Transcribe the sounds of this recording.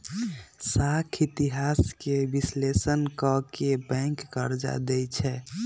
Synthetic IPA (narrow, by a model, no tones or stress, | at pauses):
sakʰit̪iɦaskebislesənkəkebɛ̃ŋkːəɾd͡ʒa̰d̪ɛjt͡ʃʰɛ